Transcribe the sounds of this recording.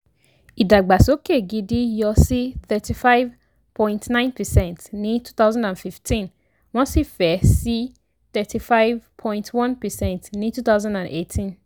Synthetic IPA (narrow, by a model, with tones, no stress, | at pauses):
i˨da˨ɡ͡ba˨so˨˦ke˦˨ɡi˨di˦jɔ˧si˦θɛ˨tʰi˨fa˦ɪv | pʰɔ̃˦ĩntnã˦ɪ̃npʰɛ˨sɛ̃˨ntnĩ˦tʰu̥˦t̪a˦zã˦ndã˨nfi˨ftʰĩ˦n | wɔ̃˦si˦fɛ˨si˦ | θɛ˨tʰi˨fa˦ɪvpʰɔ̃˦j̃ntʰwɔ̃˦npɛ˨sɛ̃˦˨ntnĩ˦tu˦t̪a˦ʊzã˦ndã˨ne˨tʰĩ˦n